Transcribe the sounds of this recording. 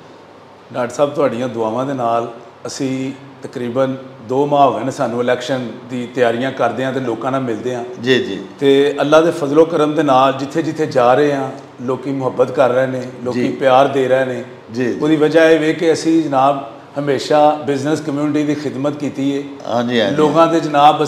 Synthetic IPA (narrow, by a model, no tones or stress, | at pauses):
ɖaːɖsaːb̚t̪ʊaːɖijãːd̪ʊaːʋãːd̪eːnaːl | əsĩː | t̪əkɾiːbənd̪oːmãːoɦənːsaːnũːɪlɛːkʃənd̪ĩːt̪ɪjaːɾijãːkəɾd̪eːɦãːt̪eːloːkãːnaːmɪld̪eːãːd͡ʒiːd͡ʒiːt̪eːəlːaːd̪eːfʰəzloːkəɾəmd̪eːnaːld͡ʒɪt̪ʰːeːd͡ʒɪt̪ʰːeːd͡ʒaːɾəeːãː | loːkiːmʊɦəbːət̪kəɾːəeːneːloːkːiːpɪjaːɾd̪eːɾeːneː | d͡ʒioːd̪iːʋəd͡ʒaːeːʋeːkɪəsĩːd͡ʒənaːb | həmeːʃaːbɪznəskəmjuːnʈiːd̪iːxɪd̪mət̪kiːt̪iːeː | ãːd͡ʒiloːɡãːd̪ed͡ʒənaːbə